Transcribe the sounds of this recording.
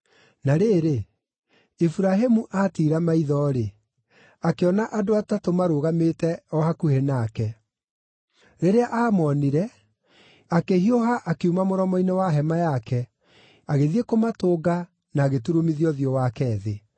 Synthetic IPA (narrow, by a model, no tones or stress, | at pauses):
naɾeːɾe | ifuɾaɦemuʔatiːɾamaiðɔɾe | akeɔnaʔadoatatomaɾoɣametɛɔhakuhenaːkɛ | ɾeɾeaʔaːmɔniɾɛ | akehioɦaʔakeumamoɾɔmɔinewaɦɛmajakɛ | aɣeðiekomatoːɡa | naːɣetuɾomiðiɔðiɔwakɛːðe